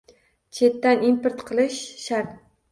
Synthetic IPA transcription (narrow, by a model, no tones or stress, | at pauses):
t͡ʃʰe̞t̪ːanimpeɾt̪qʰɨlˠɪʃʃaɾt̪